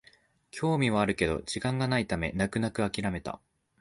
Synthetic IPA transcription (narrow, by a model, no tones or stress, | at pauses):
kʲʰo̞ːmʲiβ̞aːɾɯ̟ke̞d̪o̞̰d͡ʑikãŋɡanait̪ame̞̰nakɯ̟nakɯ̟akʲiɾame̞t̪a̰